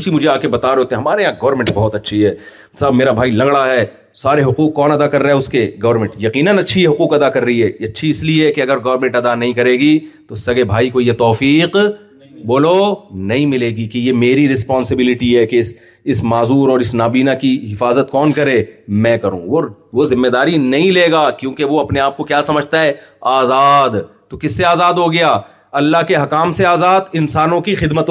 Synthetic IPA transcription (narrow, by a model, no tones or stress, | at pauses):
t͡ʃimʊd͡ʒʱeaːkebɐt̪aːɾoːt̪eɛ̃ɦɐmaːɾeãɡɐʋəɾmɛ̃ɳʈ̚bɔɦʊt̪ɐtːʃʰiɦɛː | sabmeːɾabʱaːilɐ̃ŋɡɽaɦɛː | saːɾeɦʊquːqːɔːnɐd̪akɐɾːaɛʊskeɡɐʋəɾmɛ̃ɳʈjɐqiːnənɐtːʃʰiɦɛɦʊquːqɐd̪akɐɾːɐɦiɦɛːɐtːʃʰiɪslieɦɛkeɐɡəɾɡɐʋɾmɛ̃ɳʈɐd̪anɐɦĩkɐɾeːɡit̪osɐɡebʱaːikojet̪ɔːfiːq | boːlonɐɦĩmɪleːɡikejemeːɾiɾɪspɔ̃ːnsɪbɪlɪʈiɦɛkes | ɪsmaːzuːɾɔːɾɪsnaːbiːnakiɦɪfaːzət̪kɔːnkɐɾeːmɛ̃ːkɐɾṵ̃ːʋo | ʋozɪmːeːd̪aːɾinɐɦĩleːɡaːkjõːkeʋoɐpneaːp̚kokjaːsɐməd͡ʒʱt̪aɦɛːaːzaːd̪t̪okɪsːeaːzaːd̪ɦoɡɐjaː | ɐlːaɦkeɦɐkaːmseaːzaːd̪ɪnsaːnõkixɪd̪mət̪